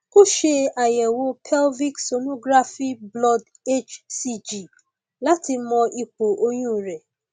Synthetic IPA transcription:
ku˦ʃe˦a˨jɛ˨wo˧pʰɛ˦lvi˦kso˨nõ˦ɡɾa˦fi˦blɔ˦d | e˦t͡ʃsi˧d͡ʒi˨ | la˦ti˧mɔ̃˧i˧k͡po˨ʔo˧jũ˦˨ɾɛ˨

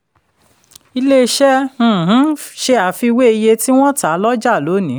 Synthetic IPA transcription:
i˧le˦˧ʃɛ̃˦˨ɦ̩˨˦ʃe˧a˨fi˧we˦i˧je˧ti˦w̃ɔ̃˦ta˨˦lɔ˦d͡ʒa˦˨lo˨˦nĩ˨˦

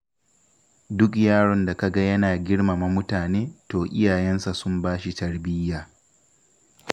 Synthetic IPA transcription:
dʊ˦k̬jaː˦ɽɔ˨nda˨ka˨ɡa˦jɐ˦naː˨ɡʲɪ˦ɽma˨ma˦mʊ˦taː˨neː˦toː˨ʔɪ˦jaː˨jɛ˦nsa˨sʊ˦mbaː˦ʃi˨tɐ˦rbɪ˦jːaː˨

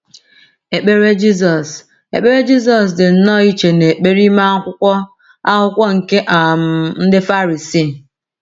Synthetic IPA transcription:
e˨k͡pe˦ɾe˦d͡ʒi˦s̬ɔ˨s | ḛ˨k͡pe˦ɾe˦d͡ʒi˦s̬ɔ˨s̬dɪ˨n̩˦nɔ˦i˦t͡ʃe˨ne˨k͡pe˦ɾi˦ma˦kʷʊ˦kʷɔ˦ | a˦ɦʊ˦kʷɔ˦ŋ̩˨ke˦ʔa˨m̩˦n̩˦dɪ˦fa˦ɾi˨si˦˨

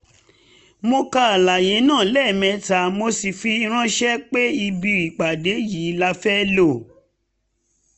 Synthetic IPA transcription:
mo˧ka˧a˨la˨je˨˦nãː˦˨˦lɛ˦˨mɛ̃˧ta˨mo˧si˨fi˧i˧ɾ̃ã˦ʃɛ˦k͡pe˦i˧bi˧ɾi˨k͡pa˨de˨˦ji˨˦la˧fɛ˦lo˦˨

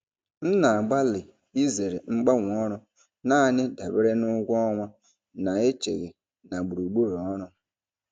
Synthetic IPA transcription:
n̩˦na˨a˨ɡ͡ba˦lɪ˨ | i˦ze˨ɾe˨ŋ͡m̩˦ɡ͡ba˦ŋʷ˨ɔ˦ɾʊ˦ | na˦˨nɪ˦da˨be˦ɾe˦nʊ˦ɡʷɔ˦ŋʷa˦ | na˨e˦t͡ʃḛ˨ɣe˨ | na˨ɡ͡bu˨ɾu˨ɡ͡bo˦ɾo˨ɔ˦ɾʊ˦

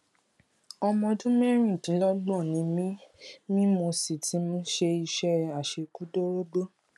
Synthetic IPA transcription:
ɔ˧mɔ̃˧dũ˦me˦ɾ̃ĩ˦˨tĩ˨˦lɔ˦ɡ͡bɔ˦˨nĩ˨˦mĩ˦mĩ˦mo˧si˨ti˨˦mũ˧˦ʃe˧i˧ʃɛ˦˧a˨ʃe˧ku˦do˦ɾo˦ɡ͡bo˦

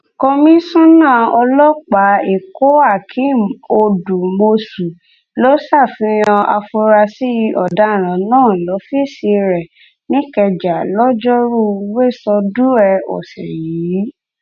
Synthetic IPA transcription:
kõ˧mĩ˦sũ˦nã˦˨ɔ˧lɔ˦k͡pa˨˦e˨ko˦a˦˨kʰi˨˦o˧du˨mo˧su˨ | lo˦sa˦˨fĩ˧˦j̃ã˧ʔa̰˧fo˧ɾa˧si˦ʔɔ̰˨da˨˦˨ɾ̃ã˨˦nãː˦˨lɔ˨˦fi˦˨si˧ɾɛ˨ | nĩ˦kɛ˧d͡ʒa˨lɔ˦d͡ʒɔ˦ɾu˦˨˦we˦˨sɔ˧du˦ɛ˧ɔ̰˨sɛ̰˨ji˨˦

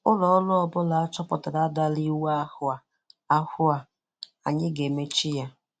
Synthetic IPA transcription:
ʊ˦lɔ˨˦lʊ˦ɔ˨bʊ˦la˨a˦t͡ʃɔ˦pɔ˨ta˨da˦da˦li˦wa˦a˦hʊ˨a˨ | a˦hʊ˦a˨ | a̰˨ɲɪ˦ɡe˨me˦t͡ʃi˦ja˦

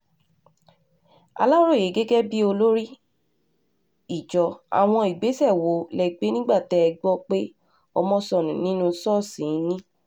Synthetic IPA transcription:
a̰˧la˦ɾo˦˨je˨˦ɡe˦ɡɛ˦bi˦o˧lo˦ɾi˦ | i˦˨d͡ʒɔ˨a̰˨w̃ɔ̃˧i˨ɡ͡be˨˦sɛ˦˨wo˨˦lɛ˨i˨ɡ͡be˨˦nĩ˦ɡ͡ba˦˨tɛ˨˦ɛ˧ɡ͡bɔ˦k͡pe˦ | ɔ̰˧mɔ̃˦sɔ˦˨nũ˨nĩ˦nũ˦sɔ˦˨sĩ˨˦nĩ˦

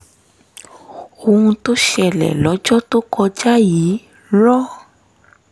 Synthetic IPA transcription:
o˧hũ˧to˦ʃɛ˧˨lɛ̰˨lɔ˨˦d͡ʒɔ˦to˦kʰɔ˧d͡ʒa˦ji˨˦ | lɔ˦

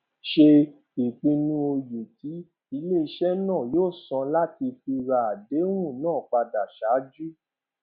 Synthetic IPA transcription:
ʃe˧ | i˨k͡pĩ˧nũ˦o˧je˨ti˨˦ | i˧le˦˨i˧˦ʃɛ˦nãː˦˨joː˦˨sã˧la˦ti˧fi˧ɾa˧˨a˨de˨˦w̃ũ˦˨nãː˦˨k͡pa˧da˨ʃa˨˦d͡ʒu˦

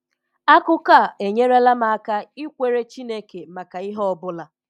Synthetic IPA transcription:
a˦kʊ˦ka˦˨e˨ɲe˦ɾe˦la˦ma˨a˦ka˦i˦kʷe˦ɾe˦t͡ʃi˦ne˦ke˨ma˨ka˨i˦ɦɔ˦ɔ˦bʊ˦la˦

